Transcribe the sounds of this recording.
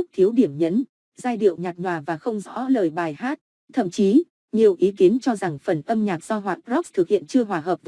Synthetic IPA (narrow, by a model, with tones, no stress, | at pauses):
k̚t̪ʰi˨˦əwɗi˧˩əmɲə˨˦n | zaː˧jɗḭ˧˨əwɲaː˨˩t̚ɲwaː˨˩vaː˨˩xə˧wŋ͡mzɔ̰˧˥ləː˨˩jɓaː˨˩jhaː˦˥t̚ | t̪ʰə̰˧˨mt͡ɕi˨˦ | ɲi˨˩əwʔi˨˦ki˨˦ənt͡ɕɔ˧za˨˩ŋfə˨˩nʔə˧mɲaː˨˩k̚z̥ɔ˧ɦwaː˨˩zɔ˦˥k̚t̪ʰɨ˨˩k̚hḭ˧˨ənt͡ɕɨ˧əɦwaː˨˩ɦəː˨˩p̚